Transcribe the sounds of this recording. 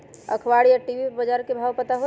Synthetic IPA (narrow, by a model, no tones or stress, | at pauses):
ə̰kʰʋaɽijaʈiʋibəd͡ʒaɾkebʱawpət̪aɦo